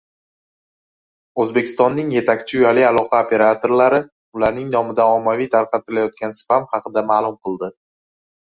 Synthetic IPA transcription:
ɵzbe̞kʲʰɪst̪ɒnːɪŋje̞t̪ʰakʲt͡ʃʰɪʊjalialˠɒqʰɑopʰe̞ɾat̪ʰo̞ɾlaɾɪ | ʊlaɾnɪŋnɒmɪd̪aɒmːavijt̪ʰaɾqʰɑt̪ɪlajɒt̪̚kʲansɪ̥pamhɑqɨd̪amaːlˠʊmqʰɨlˠd̪ɪ

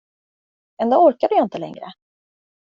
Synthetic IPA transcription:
ɛnd̪oːɔɾkad̪ɵjaɪnt̪əlɛ̰ŋɾə̰

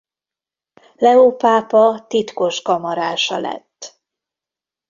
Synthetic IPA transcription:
lɛopaːpɒt̪it̪ko̞ʃkɒmɒɾaːʃɒlɛ̰t̪ː

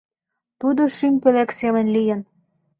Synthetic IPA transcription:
t̪ud̪oʃymʲpelæksemə̆nlijə̆n

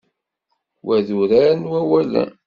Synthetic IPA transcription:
wæðuɾæɾnwæwælæ̰

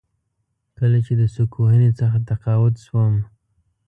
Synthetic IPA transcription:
kəlat͡ʃed̪əsukʰohənet͡səxat̪aqɑwʊt̪ʃwəm

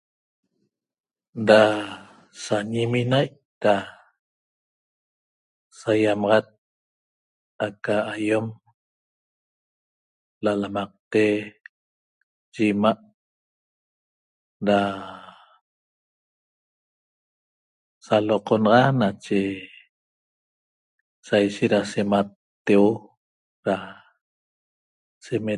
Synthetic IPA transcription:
da | saɲiminajʔ | da | sajamɑʁɑt̪̚ | akaːjom | lalamɑq̚t̪e | ʒimaʔ | ɾa | saloqonɑʁɑnat͡ʃe | sajʃet̪ɾasemat̪ː | ewo | ɾa | seme

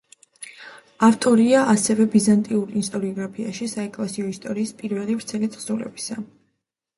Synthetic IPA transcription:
aft̪ʼɔɾiaʔasɛvɛbizant̪ʼiuɾist̪ʼɔɾiɔɡɾapʰia̰ʃisaɛkʼlasiɔist̪ʼɔɾiːspʼiɾvɛlivɾt̪sʰɛlit̪χsulɛ̰bi̥sa

